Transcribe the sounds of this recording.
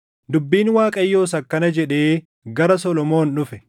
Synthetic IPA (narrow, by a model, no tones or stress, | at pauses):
d̪ʊbːiːnwaːkʼɐjːo̞ːs̬ɐkːɐnɐd͡ʒɛᶑe̞ː | ɡɐɾɐsɔlɔmo̞ːnᶑʊfɛ